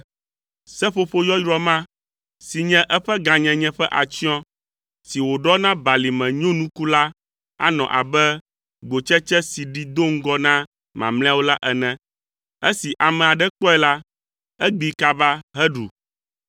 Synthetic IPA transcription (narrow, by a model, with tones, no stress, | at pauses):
sɛ˦ɸo˨ɸo˦jɔ˦jɾɔ˦mã˦ | si˨ɲɛ̃˦ʔɛ˦ɸɛ˦ɡã˨ɲɛ̃˨ɲɛ̃˦ɸɛ˦ʔa˨t͡ʃi˦ɔ̃˦ | si˨wo˨ɖɔ˦nã˦ba˨li˨mɛ̃˨ɲõ˦nũ˦ku˦la˦ | a̰˦nɔ̰̃˨ʔa̰˨bɛ˦ | ɡ͡bo˨t͡ʃɛ˦t͡ʃɛ˦si˨ɖi˨d̪o˦˨ŋ̩˦ɡɔ˦nã˦ | mã̰˨mlɛ̃˦a˦wo˦la˦ʔɛ˨nɛ̃˦ | ɛ˦si˨ʔa˨mɛ̃˨a˨ɖɛ˦k͡pɔ˦ɛ˨la˦ | ɛ˦ɡ͡bi˨ka˦ba˦ɦɛ˦ɖu˨